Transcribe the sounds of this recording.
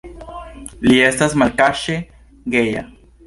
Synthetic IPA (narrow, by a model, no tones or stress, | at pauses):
liest̪asmalkaʃe | ɡeja̰